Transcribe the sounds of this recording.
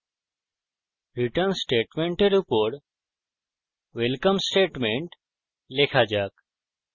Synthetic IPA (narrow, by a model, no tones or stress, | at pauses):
ɾɪʈəɾnsʈeːʈmẽːɳʈeɾɪpoːɾɾ | ʋelkəmsʈeːʈmẽɳʈ | leːkʰaːd͡ʒaːk